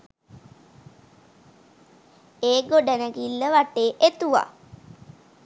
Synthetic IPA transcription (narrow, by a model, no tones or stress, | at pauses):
eːɡoɖænəɡilːəʋaʈeːʔet̪uʋa̰